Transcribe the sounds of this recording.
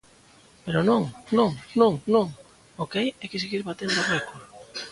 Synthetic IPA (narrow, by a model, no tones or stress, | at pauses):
peɾonõŋnõŋnõŋnõŋ | okajɛkes̬eɣiɾβat̪end̪aβekol